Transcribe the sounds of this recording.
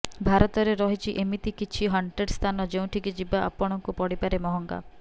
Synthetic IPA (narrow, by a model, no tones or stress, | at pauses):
bʱaɾɔt̪ɔɾeɾɔɦit͡ʃʰiʔemit̪ikit͡ʃʰiɦɔɳɖɾeɖst̪ʰanɔd͡ʒeũʈʰikid͡ʒibaʔa̰pɔɽ̃ɔŋkupɔɽipaɾemɔɦɔŋɡa̰